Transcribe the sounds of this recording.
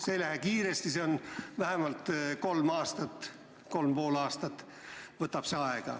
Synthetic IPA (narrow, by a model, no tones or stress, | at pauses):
selæhekiːɾest̪iseonvæɦemɑlt̪ko̞lmɑːst̪ɑt̪ːˑ | ko̞lmpoːlɑːst̪ɑt̪ː | vɤt̪ːˑɑpseɑeɡ̥ɑ̰